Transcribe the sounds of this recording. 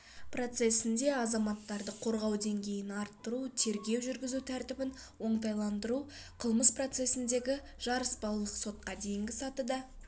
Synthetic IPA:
pro̞t̪se̞sɪnd̪e̞ɑzɑmɑt̪ːɑɾd̪əqʰo̞ɾʁɑwd̪e̞ŋɡʲe̞jɪnɑɾt̪ːəɾut̪ʰe̞ɾɡʲe̞wʒʏɾɡʲɪzut̪ʰæɾt̪ɪbɪn | wo̞ɴt̪ɑjlˠɑnd̪əɾu | qʰəlˠməspro̞t̪se̞sɪnd̪e̞ɡʲɪ | ʒ̥ɑɾəsbɑlˠlˠəqso̞t̪̚qɑd̪e̞jɪŋɡʲɪsɑt̪əd̪ə

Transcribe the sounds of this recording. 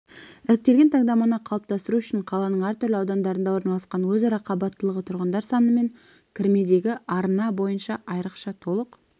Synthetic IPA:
ɪɾɪk̚t̪e̞lɡʲe̞nt̪ʰɑŋd̪ɑmɑnɑqʰɑlˠəp̚t̪ɑst̪əɾuʏʃɪɴqʰɑlˠɑnəɴæɾt̪ʏɾlɪɑwd̪ɑnd̪ɑɾənd̪ɑwo̞ɾnɑlˠɑsqɑnwɵzɑɾɑqʰɑbɑt̪ːəlˠəʁət̪ʰʊɾʁənd̪ɑɾsɑnəme̞ŋ | kʲʰɪɾme̞d̪e̞ɡʲɪɑɾnɑbo̞jənʃɑʔɑjɾəqʃɑt̪ʰo̞lˠəq

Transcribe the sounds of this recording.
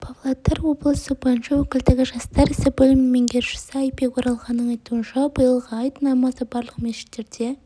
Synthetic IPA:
pʰavlˠat̪eɾwo̞blˠəsəbɑnʃɑwɵkʲɪld̪ɪɡʲɪʒɑst̪ɑɾɪsɪbɵlɪmːeŋɡʲeɾʒɪ̥sɪɑjpekʰoɾɑlˠʁɑnːəɴɑjt̪uənʃɑbəjəlˠʁəɑjt̪nɑmɑzəbɑɾlˠəqmeʃɪ̥t̪ːe̞ɾd̪̥e

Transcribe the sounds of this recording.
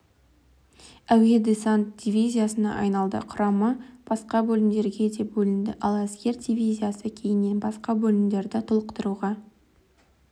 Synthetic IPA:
æwe̞d̪esant̪̚d̪ʲivʲijzʲijasənɑ̰ʔɑjnɑlˠd̪ə̰qʰʊɾɑməb̥ɑsqɑbɵlɪmd̪e̞ɾɡʲe̞d̪e̞bɵlɪnd̪ɪ̰ʔɑlˠæsɡʲe̞ɾd̪ʲivʲijzʲijasəkʲʰe̞jɪnːe̞nbɑsqɑbɵlɪmd̪e̞ɾd̪ɪt̪ʰʊlˠəqt̪əɾuʁɑ

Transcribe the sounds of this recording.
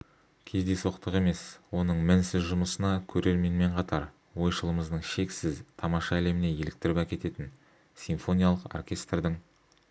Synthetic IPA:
kʲʰe̞zd̪e̞so̞qt̪əʁqe̞me̞swo̞nəɴmɪnsɪzʒʊməsənɑkʲʰɵɾe̞ɾme̞nme̞ɴqʰɑt̪ɑɾ | wo̞jʃəlˠəməzd̪əɴʃe̞ksɪzt̪ʰɑmɑʃɑːle̞mɪne̞je̞lɪk̚t̪ɪɾɪpækʲe̞t̪e̞t̪ɪn | sʲinfo̞nʲijalˠəqo̰rkʲʰe̞st̪rd̪ɪŋ

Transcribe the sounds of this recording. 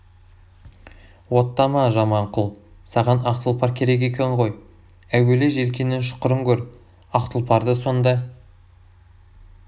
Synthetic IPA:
wo̞t̪ːɑmɑʒɑmɑɴqʰʊlˠsɑʁɑnɑqt̪əlˠpɑɾkʲʰe̞ɾe̞k̬e̞kʲe̞ɴʁo̞j | æwe̞leʒe̞lkʲe̞nɪnʃʊ̥qəɾəŋkʲʰɵɾ | ɑqt̪əlˠpʰɑɾd̪əso̞nd̪ɑ

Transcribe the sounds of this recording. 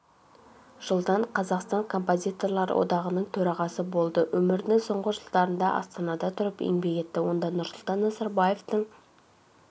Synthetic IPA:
ʒ̥əlˠd̪ɑɴqʰɑzɑqst̪ɑŋkʰo̞mpozʲit̪o̞rlˠɑɾə̰wo̞̰d̪ɑʁənəɴt̪ʰɵɾɑʁɑsəbo̞lˠd̪əwɵmɪɾd̪ɪŋso̞ɴʁəʒəlˠd̪ɑɾənd̪ɑʔɑ̰st̪ɑnɑd̪ɑt̪ʰʊɾəpḛŋbe̞ɡʲe̞t̪ːɪwo̞nd̪ɑnʊɾsʊlˠt̪ɑnːɑzɑɾbɑje̞ft̪əɴ

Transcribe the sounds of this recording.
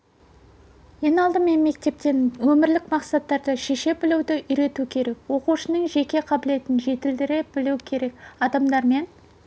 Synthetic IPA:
je̞nɑlˠd̪əme̞nme̞k̚t̪e̞p̚t̪e̞nwɵmɪɾlɪkmɑqsɑt̪ːɑɾd̪əʃeʃe̞bɪlɪwd̪ɪʔʏjɾe̞t̪ukʲʰe̞ɾe̞kwo̞quʃənəɴʒe̞kʲe̞qʰɑbɪle̞t̪ɪnʒe̞t̪ɪld̪ɪɾɪbɪlukʲʰe̞ɾe̞kɑd̪ɑmd̪ɑɾme̞n

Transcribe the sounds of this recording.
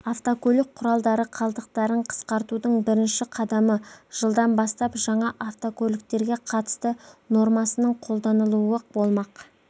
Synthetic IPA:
aft̪okʲʰɵlɪk̚qʰːʊɾɑlˠd̪ɑɾəqʰɑlˠd̪əq̚t̪ɑɾəɴqʰə̥sqɑɾt̪ud̪əɴbɪɾɪnʃɪqʰɑd̪ɑməʒ̥əlˠd̪ɑnbɑst̪ɑpʒɑɴɑʔaft̪okʲʰɵlɪk̚t̪e̞ɾɡʲe̞qʰɑt̪ə̥st̪əno̞ɾmɑsənəɴqʰo̞lˠd̪ɑnəlˠuəbo̞lˠmɑq

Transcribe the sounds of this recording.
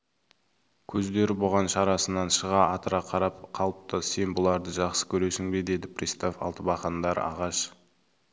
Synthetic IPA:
kʲʰɵzd̪e̞ɾɪboʁɑnʃɑɾɑsənɑnʃəʁɑɑt̪əɾɑqʰɑɾɑpqʰɑlˠəp̚t̪əse̞nbʊlˠɑɾd̪əʒɑqsə̥kʲʰɵɾe̞sɪŋbed̪e̞d̪ɪpʰrʲist̪ofɑ̰lˠt̪əbɑχɑnd̪ɑɾɑ̰ʁɑʃ

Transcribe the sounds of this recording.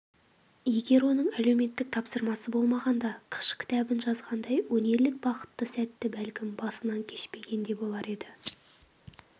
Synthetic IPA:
je̞ɡʲe̞ɾwo̞nəɴælewme̞t̪ːɪk̚t̪ʰɑpsəɾmɑsəbo̞lˠmɑʁɑnd̪ɑqʰə̥ʃkʲʰɪ̥t̪æbɪnʒɑzʁɑnd̪ɑjwɵne̞ɾlɪk̚bɑqə̥t̪ːəsæt̪ːɪbælkʲɪmbɑsənɑŋkʲʰe̞ʃpe̞ɡʲe̞nd̪e̞bo̞lˠɑɾe̞d̪ɪ

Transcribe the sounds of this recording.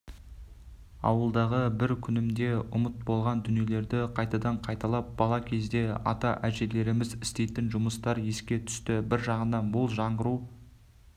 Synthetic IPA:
ɑ̰wəlˠd̪ɑʁəbɪɾkʲʰʏnɪmd̪e̞ʊmət̪̚bo̞lˠʁɑnd̪ʏnije̞le̞ɾd̪ɪqʰɑjt̪ɑd̪ɑɴqʰɑjt̪ɑlˠɑp̚b̥ɑlˠɑkʲʰe̞zd̪e̞ɑ̰t̪ɑʔæʒe̞le̞ɾɪmɪzɪst̪e̞jt̪ɪnʒʊməst̪ɑɾje̞skʲe̞t̪ʰʏ̥st̪ɪbɪɾʒɑʁənɑnbʊlˠʒɑɴʁəɾu

